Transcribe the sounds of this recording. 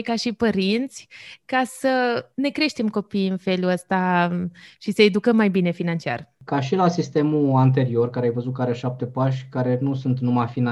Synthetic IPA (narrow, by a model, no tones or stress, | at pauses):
kaʃipəɾint̪sʲkasəne̞kɾe̞ʃt̪e̞mko̞pijɨnfe̞luəst̪a | ʃisəe̞d̪ukəmːajbine̞finant͡ʃia̰rkaʃilasist̪e̞muant̪e̞ɾio̞rkaɾeajvəzut̪̚kaɾeʃap̚t̪e̞paʃkaɾe̞nusunt̪numafina